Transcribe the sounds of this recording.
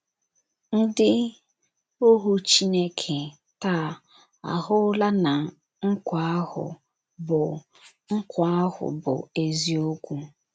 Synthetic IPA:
n̩˦dɪ˦ | o˦ɦu˦t͡ʃi˦ne˦kʰe˨ | ta˦˨ | a̰˨ɦʊ˦la˦na˨ | ŋ̩˦kʷa˨˦a˦hʊ̰˨ | bʊ˨ | ŋ̩˦kʷa˦a˦ɦʊ̰˨bʊ̰˨e˨zi˦o˦kʷu˦

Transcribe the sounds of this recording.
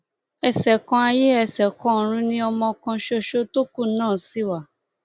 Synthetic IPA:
ɛ˨sɛ˨kɔ̃˧a˧je˦ɛ˧˨sɛ˨kɔ̃˧˦˨ɾ̃ũ˧˦nĩ˦ɔ˧mɔ̃˧kã˧ʃo˧ʃo˦to˦ku˦˨˦nãː˦˨si˦wa˦˨

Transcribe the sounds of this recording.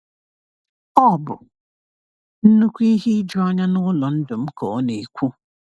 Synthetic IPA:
ɔ˦˨bʊ̰˨ | n̩˦nu˦kʷi˦ɦi˦d͡ʒɔ˦ɔ˦ɲa˦nʊ˦lɔ˨n̩˦dʊ˨m̩˦kɔ˨˦ne˨kʷu˦

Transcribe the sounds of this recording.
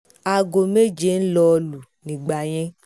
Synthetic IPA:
a˨ɡo˨me˦˨d͡ʒe˦n̩˦lɔ˧lu˨nĩ˨ɡ͡ba˨j̃ɛ̃˦

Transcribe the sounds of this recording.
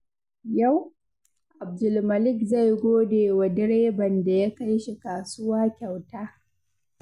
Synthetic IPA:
ja˦˨w | ʔa˨b̚dʊ˨lmɐ˨lɪ˦˨kza˦˨jɡʷoː˦deː˨wa˨dɪ˦ɽeː˦bɐ˨nda˨ja˦ka˦jʃi˨kaː˨sʊ˦waː˦kʲa˨wtaː˦

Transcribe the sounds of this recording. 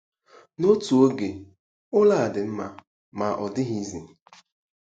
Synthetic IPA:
no˦tu˨o˦ɡe˨ | ʊ˦la˦a˨dɪ˨m̩˦ma̰˨ | ma˨ʔɔ˨dɪ˦ɦi˦zi˨

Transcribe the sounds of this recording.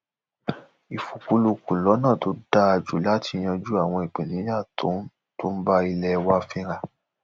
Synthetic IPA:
i˨fu˨ku˧lu˧ku˨lɔ˨˦nã˦˨to˧˦da˧a˧d͡ʒu˨˦la˦ti˧j̃ã˧d͡ʒu˦a˦˨w̃ɔ̃˧i˨k͡pẽ˨nĩ˨˦ja˦˨tʰõ˨˦ | to˦n̩˦ba˦i˧lɛ˧wa˦fĩ˧ɾ̃a˧˨

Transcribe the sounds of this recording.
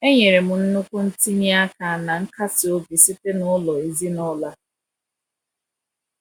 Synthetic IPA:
e˦ɲe˨ɾe˨mʊ˨n̩˦nʊ˦kʷʊ˦n̩˦ti˦ɲi˦a˦ka˨na˨ŋ̩˦ka˦sɪ˨o˦bi˨si˦te˦nʊ˦lɔ˨e˨zi˦nɔ˦la˦

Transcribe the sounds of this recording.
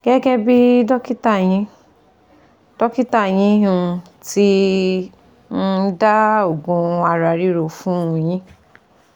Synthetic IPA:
ɡ̥ɛ˦ɡɛ˦bi˦dɔ˦ki˦ta˦˨j̃ĩ˧˦ | d̥ɔ˦ki˦ta˦˨j̃ĩ˧˦ɦũ˧ | ti˦ | n̩˦da˦o˦˨ɡũ˧˦a˧ɾa˧˨ɾi˦ɾo˧˨fũ˦ũ˨˧j̃ĩ˦

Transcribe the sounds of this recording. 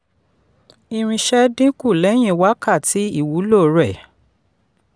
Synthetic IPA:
i˧ɾ̃ĩ˧ʃɛ˦dĩ˦ku˦˨lɛ˨˦j̃ĩ˧˨wa˦ka˦˨tʰi˨˦i˦˨wu˨˦lo˦˨ɾɛ˦˨

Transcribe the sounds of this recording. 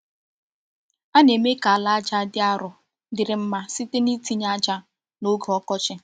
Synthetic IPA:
a˦ne˨me˦ka˨a˨la˦a˦d͡ʒa˦dɪ˦a˦ɾʊ˨ | dɪ˨ɾɪ˨m̩˦ma˦si˦te˦ni˦ti˦ɲ˦a˦d͡ʒa˦ | no˦ɡɔ˦kɔ˦t͡ʃɪ˦

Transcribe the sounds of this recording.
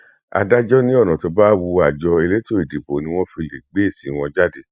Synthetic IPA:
a̰˧da˦d͡ʒɔ˦nĩ˦ɔ˦˨nɔ̃˨tɔ˧ba˦wu˧a˨d͡ʒɔ˧e˧le˦to˦i˨di˨bo˨˦nĩ˧˦w̃ɔ̃˦fi˧le˨ɡ͡be˨˦e˦˨si˨˦w̃ɔ̃˧d͡ʒa˦de˦˨

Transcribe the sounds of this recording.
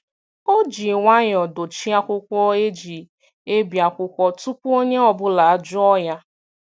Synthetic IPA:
o˦d͡ʒi˨ŋʷa˦ɲ˨ɔ˨do˨t͡ʃi˦a˦kʷʊ˦kʷɔ˦e˦d͡ʒi˨ | e˦bja˨kʷʊ˦kʷɔ˦tu˦pʷu˦o˦ɲe˦ɔ˨bʊ˦la˨a˦d͡ʒʊ˦ɔ˦ja˦

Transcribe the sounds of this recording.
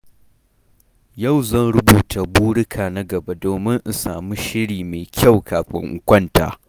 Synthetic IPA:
ja˦˨wzɐ˦˨nɽʊ˦buː˨tʰa˨buː˦ɽɪ˦kʰaː˨na˦ɡɐ˨ba˦doː˨mɪ˦ŋʔ̩˨saː˨mu˦ʃɪ˦ɽiː˨meː˨kʲa˦˨wkʰaː˨ɸɪ̰˦ŋʔʊ˦kʷɐ˦nta̰ː˨

